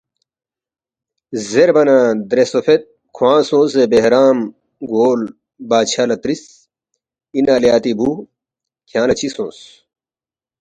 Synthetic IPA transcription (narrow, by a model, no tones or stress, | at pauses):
zeɾbɐnad̪ɾesofʰet̪̚ | kʰuwãːsõːsebeɦɾaːm | ɡoːl | baːt͡ɕʰalɐt̪ɾis | inalejaːt̪ibuː | kʰjãːnɐt͡ɕʰisõːs